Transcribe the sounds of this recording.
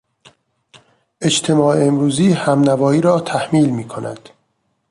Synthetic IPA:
ʔe̞t͡ʃt̪ʰe̞mɒːeemɾuːziːhæmnævɒːiːɾɒːt̪ʰæhmiːlmiːkʰo̞næ̰d̪̥

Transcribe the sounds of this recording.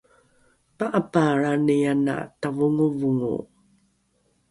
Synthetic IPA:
paʔapaɾanijana̰tavuŋuvuŋṵ

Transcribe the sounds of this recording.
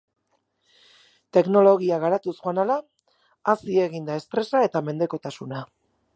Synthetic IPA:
t̪e̞kno̞lo̞ɣiaɣaɾat̪usuanalaː | sie̞ɣind̪ae̞st̪ɾe̞sae̞t̪ame̞nd̪e̞ko̞t̪asuna

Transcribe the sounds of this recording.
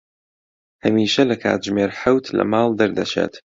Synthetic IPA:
hɐmiːʃɐlɐkʰa̰ːt̪̚ʒmeːɾħawt̪ʰlɐ̰maːlˠd̪ɐɾd̪ɐt͡ʃḛːt̪

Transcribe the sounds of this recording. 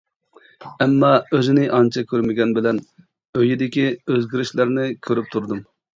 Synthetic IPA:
ɛmːɑøzɪnɪʔɑnt͡ʃʰɑkʲʰøɾmɪɡʲɛnbɪlɛn | øjid̪ɪkʲiøzɡʲiɾɪʃlæɾnɪkʲʰøɾyp̚t̪ʰuɾd̪um

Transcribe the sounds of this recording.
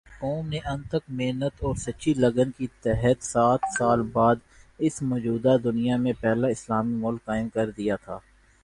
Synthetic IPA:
kɔːmneʔɐ̃nt̪ək̚meːnət̪ɔːɾsɐːʃilɐɡənkit̪ɛɦət̪saːt̪ʰsaːlbaːd̪ | ɪsmɔːd͡ʒuːd̪ad̪ʊnijamẽpɛːlaɪslaːmimʊlkːaːɪmkɐɾd̪ijat̪ʰaː

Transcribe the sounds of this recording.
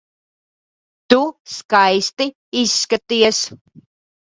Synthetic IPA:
t̪uskajst̪i | isːkat̪iɐs

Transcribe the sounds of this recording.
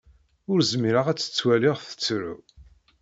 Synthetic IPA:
ʊɾzmiɾaʁæt͡sːə̥t͡sːwæliʁθə̥t͡sːɾṵ

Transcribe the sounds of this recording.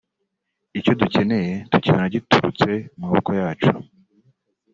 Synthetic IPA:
ico̞duce̞ne̞je̞tuciβanaɟituɾut͡se̞mŋaβokojaːt͡ʃu̥

